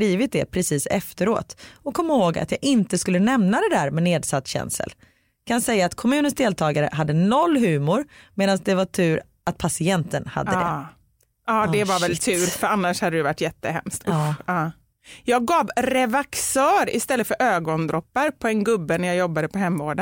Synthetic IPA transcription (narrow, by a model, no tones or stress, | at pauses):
ɾiːvɪt̪̚d̪ɛpʰɾɛsiːsɛ̰ft̪əɾo̰ːt̪ɔkʰːɔmːahoːɡa̰t̪jɑːʔɪnt̪əskɵlːənɛmnad̪ɛd̪æːɾmɛneːd̪sat̪ːɕɛ̰nsə̰l | kʰansɛjːaːt̪kʰɔmʉ̟ːnənsd̪eːlt̪ʰɑːɡaɾə̰ɦad̪ːənɔlːɦʉ̟ːmʊɾmeːd̪ansd̪ɛvaʈʰʉ̟ːɾ | ʔat̪̚pʰasɪɛnt̪ənha̰d̪dːə | ɑːd̪ɛvavɛlt̪ʰʉ̟ːɾfœɾanːaʂhad̪ːəd̪ɛvaʈːjɛt̪ːəhɛ̰mst̪ːɑː | jɑːɡːɑːvɾɛvaksœːɾɪ̰st̪ɛlːəfœɾʔøːɡɔnd̪ɾɔpːaɾpʰɔɛnɡɵbːənæɾjajɔbːad̪əpʰɔɦɛmːoːɖə